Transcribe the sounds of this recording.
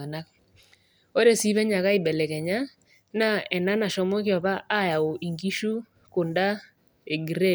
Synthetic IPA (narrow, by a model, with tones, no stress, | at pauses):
a˨na˦k̚ | ɔ˦ɾe˦si˦βɛ˦ɲa˨ka˦ɪ˨bɛ˨lɛ˨kɛ˨ɲa˦ | na˦ɛ˨na˦na˨ʃɔ˦mo˦kɪ˦ɔ˨pa˦ʔa˦ja˨o˨ʔi˨ŋɡi˦ʃu˦ | kʊ˨nda˦ | e˨ɡi˨ɾe˦